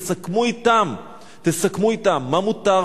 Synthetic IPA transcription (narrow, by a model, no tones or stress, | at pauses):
sakmuit̪am | t̪esakmuit̪amːamut̪a